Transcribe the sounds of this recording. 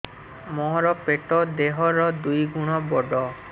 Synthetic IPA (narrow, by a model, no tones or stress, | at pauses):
mɔɦɾɔpeʈɔd̪eɦɔɾɔd̪ujɡuɽ̃ɔbɔɖɔ